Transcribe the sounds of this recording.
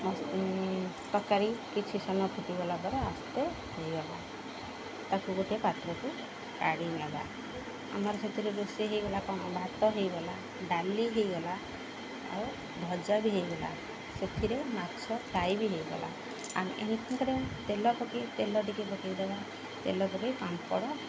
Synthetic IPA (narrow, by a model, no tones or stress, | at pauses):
mɔ | t̪ɔkaɾikit͡ʃʰisɔnɔpʰuʈibɔlabɔɾeast̪e | hejɡɔla | t̪ɔkuɡoʈiepat̪ɾɔku | kaɽiɡaba̰ | a̰mɔɾɔset̪ʰiɾeɾuseɦejɡɔlakɔɽ̃ɔbʱat̪ɔɦejbɔla | ɖaliɦejɡɔla | a̰w | bʱɔd͡ʒabiɦejɡɔla̰ | set̪ʰiɾemakt͡ʃʰɔɖajbiɦejɡɔ̰lʔa̰ | a̰m̰ʔḛɦĩkʰɔŋkɔɾet̪elɔkɔkit̪elɔʈikibɔkajd̪eba | t̪elɔkɔkikampɔ̰ɽɔ